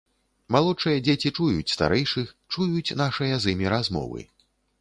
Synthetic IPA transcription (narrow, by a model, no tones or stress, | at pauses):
malˠɔt͡ʂɨjɐd͡zʲet͡sʲit͡ʂujut͡sʲst̪a̰ɾɛjʂɨx | t͡ʂujut͡sʲnaʂɐjɐzɨmʲiɾazmɔ̰vɨ̰